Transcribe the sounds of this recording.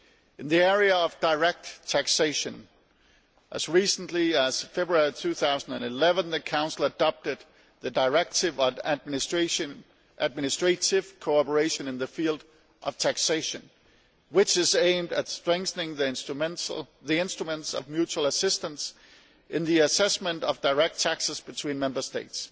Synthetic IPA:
ɨ̃nðiɛɹiɨʌvdaɪɹɛk̚tʰækseɪʃɨ̃n | ʔɨz̥ɹisn̩liəz̥fɛbɹuɛɹitʰʉθaʊzn̩dɨ̃nɨlɛvə̃nðɨkʰãʊ̃nsl̩ˠədɑp̚tɨd̪̥̚ | ðɨdaɪɹɛk̚tɪvʌ | ʔæd̚mɪnɨstɹ̥eɪtɪv̥kʰoɑpə˞eɪʃɨ̃nɨ̃nðɨfilˠd | ʔʌv̥tʰækseɪʃɨ̃n | wɪt͡ʃɪzẽɪ̃mdɨtstɹ̥ɛ̃ŋkθənɪ̃ŋðĩ | ðiɪ̃nstɹ̥əmə̃ntsʌ̰vmjʉt͡ʃuəl̩ˠəsɪstə̃ns | ʔɪ̃nðiɨsɛsmə̃ntʌvdaɪɹɛk̚tʰæksəz̥b̥ɨtʰw̥ĩːnmɛ̃mbə˞steɪts

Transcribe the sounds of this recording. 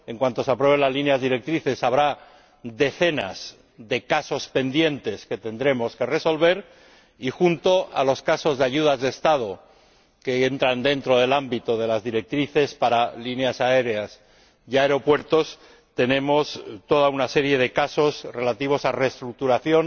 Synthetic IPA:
e̞ŋkwant̪o̞seapɾwe̞β̞enlazlineazðiɾe̞k̚t̪ɾiθe̞saβ̞ɾa | d̪e̞θe̞na̰z̥ | ðe̞kaso̞spe̞nd̪je̞nt̪e̞ske̞t̪e̞nd̪ɾe̞mo̞ske̞re̞so̞lβe̞ɾ | ixunt̪o̞a̰lo̞skaso̞zðeaʝuð̞azðe̞ːst̪að̞o̞ | ke̞ent̪ɾand̪e̞nt̪ɾo̞ð̞e̞lambit̪oðe̞lazðiɾe̞k̚t̪ɾiθe̞spaɾalineasae̞ɾeas | ʝaeɾo̞pwe̞ɾt̪o̞s | t̪e̞nẽ̞mo̞st̪o̞ðaunase̞ɾje̞ð̞e̞kaso̞zre̞lat̪iβ̞o̞sarest̪ɾuk̚t̪uɾaθjo̞n

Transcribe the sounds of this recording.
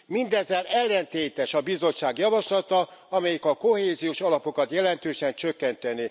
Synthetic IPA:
mind̪ɛzːɛlɛlːɛnt̪eːt̪ɛʃɒbizo̞t͡ʃʃːaːɡjɒvɒʃlɒt̪ɒɒmɛjikɒkoheːzijoːʃɒlɒpo̞kɒt̪jɛlɛnt̪øːʃɛnt͡ʃøkːɛnt̪ɛne

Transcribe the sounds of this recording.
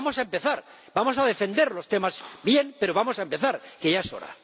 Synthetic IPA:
mosaempeθaɾ | bamo̞sað̞e̞fe̞nd̪e̞ɾlo̞st̪e̞mazbje̞npe̞ɾo̞β̞amo̞saempe̞θaɾke̞ʝaeso̞̰ɾa̰

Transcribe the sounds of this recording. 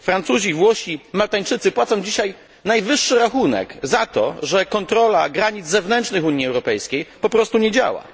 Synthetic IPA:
fɾant̪suʑivwɔɕimalt̪aɲt͡ʂɘt̪sɘpwat̪sɔ̃w̃d͡ʑiɕaj | najvɘʂːɘɾaxunɛ̰kzat̪ɔ̰ʐɛkɔnt̪ɾɔla̰ɡɾaɲid̪zzɛvnɛnt͡ʂnɘxuɲːiɛwɾɔpɛjskʲejpɔpɾɔst̪uɲed͡ʑa̰wa̰

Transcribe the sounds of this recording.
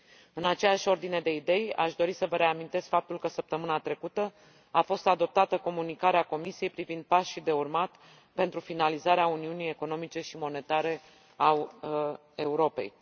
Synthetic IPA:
ɨnat͡ʃejaʃʲo̞rd̪ine̞d̪e̞id̪e̞ja̰ʃd̪o̞ɾisəvəɾe̞amint̪e̞skfap̚t̪ulkəsəp̚t̪əmɨnat̪ɾe̞kut̪ə | afo̞st̪ad̪o̞p̚t̪at̪əko̞munikaɾeako̞misije̞jpɾivind̪̚pasʃid̪e̞urmat̪ | pe̞nt̪ɾufinalizaɾeauniunije̞ko̞no̞mit͡ʃe̞ʃimo̞ne̞t̪aɾe̞ | a | euɾo̞pe̞̰j

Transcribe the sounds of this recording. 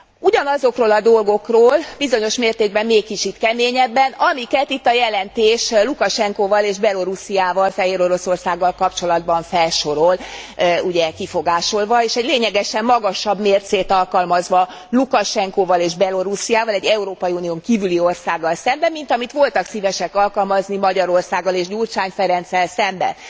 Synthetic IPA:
uɟɒnɒzo̞kroːlɒd̪o̞lɡo̞kroːlbizo̞ɲo̞ʃmeːrt̪eːɡ̚bɛmːeːkːit͡ʃit̪kɛmeːɲɛbːɛnɒmikɛt̪it̪ːɒjɛlɛnt̪eːʃlukɒʃɛŋkoːvɒleːʒbɛlo̞ɾusijaːvɒlfɛɦeːɾo̞ɾo̞so̞rsaːɡːɒlkɒpt͡ʃo̞lɒd̪̚bɒɱfɛlʃo̞ɾoluɟɛkifo̞ɡaːʃo̞lvɒeːʃɛɟleːɲɛɡɛʃɛmːɒɡɒʃɒbmeːrt̪seːt̪ɒlkɒlmɒzʋɒ | lukɒʃɛŋkoːvɒleːʒbɛlo̞ɾusijaːvɒlɛɟːɛuɾoːpɒjiunijoːŋkiːvylio̞rsaːɡːɒlsɛmbɛmːin̪t̪ɒmit̪ʋo̞lt̪ɒksivɛʃɛkɒlkɒlmɒznimɒɟɒɾo̞rsaːɡːɒleːʒɟurt͡ʃaːɲfɛɾɛnt̪sɛlsɛmbɛ̰n

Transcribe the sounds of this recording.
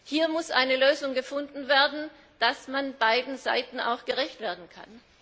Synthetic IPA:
hiːɐmʊsʔaɪnəløːzʊŋɡəfʊndn̩veːɐdn̩ | d̥asmanbaɪdn̩za̰ɪtn̩a̰ʊxɡ̥əʁɛçtv̥eːɐdn̩kʰa̰n

